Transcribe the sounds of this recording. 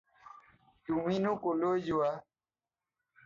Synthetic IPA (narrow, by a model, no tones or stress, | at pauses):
tumĩnũkolod͡ʒuwa